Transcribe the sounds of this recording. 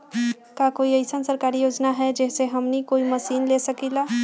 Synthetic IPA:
kakoiəɪsənsəɾkaɾijod͡ʒnaɦɛd͡ʒɛseɦəmnikoiməsinlesəkila

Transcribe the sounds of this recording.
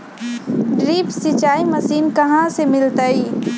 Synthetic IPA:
ɖɾiːpsit͡ʃaːimɐsiːnkɐɦãsemɪlt̪əiː

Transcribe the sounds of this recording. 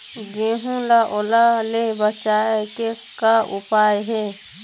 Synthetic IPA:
ɡeːɦũlaʔolalebət͡ʃaːeke | kaʔʊpaːjɦɛː

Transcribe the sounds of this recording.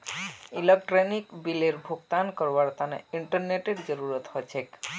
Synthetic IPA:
ilek̚ʈɾenikbileɾbʱoɡt̪ankɔɾʋaɾt̪anḛiɳʈəɾneʈeɖd͡ʒɔɾuɾɔt̪hɔjt͡ʃʰek

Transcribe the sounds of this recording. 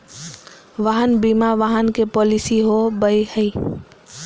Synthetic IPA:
ʋaɦənbimaʋaɦənkepɔlisiɦobəjhəi

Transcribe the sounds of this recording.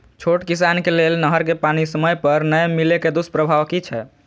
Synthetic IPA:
t͡ʃʰoʈkisankelelnəɦəɾkepanisəməjpəɾnəjmileked̪uspɾəbʱaʋkit͡ʃʰɛ

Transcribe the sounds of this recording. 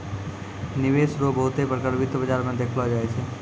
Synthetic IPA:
nɪʋeːsɾobəɦʊt̪epɾəkəɾbɪt̪bəd͡ʒaːɾmẽd̪eːkʰlɔd͡ʒaːɛt͡ʃʰɛ

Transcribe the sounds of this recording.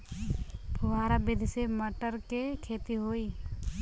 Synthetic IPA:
pʰʊɦaːɾabɪd̪ʱseməʈəɾkekʰeːt̪iɦoːi

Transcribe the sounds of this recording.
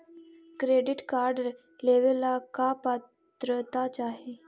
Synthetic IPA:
kɾeɖiʈkaɾɖ | leʋelakapatt̪ɾət̪at͡ɕaɦe

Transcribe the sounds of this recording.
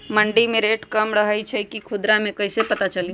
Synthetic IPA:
məɳɖimẽɾeːʈkɐmɾɐɦəit͡ʃʰɛkikʰʊd̪ɾamẽkɐisepɐt̪at͡ʃɐli

